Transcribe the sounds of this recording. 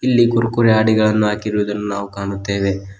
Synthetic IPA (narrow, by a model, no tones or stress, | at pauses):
ilːiɡuɾkuɾɛaːɽiɡɐɭɐnːuɦaːkiɾuʋɐd̪ɐnːunaːʋukaːɳut̪ːe̞ːʋe̞